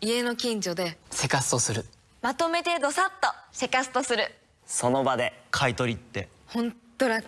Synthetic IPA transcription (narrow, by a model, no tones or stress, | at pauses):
ie̞no̞kʲĩɲd͡ʑo̞d̪e̞se̞kasɨ̥t̪o̞sɨɾɯ̟ | mat̪o̞me̞t̪e̞d̪o̞sat̪ːose̞kasɨ̥t̪o̞sɨɾɯ̟ | so̞no̞bad̪e̞kʰait̪o̞ɾʲit̪ːe̞ | hõ̞no̞ɾa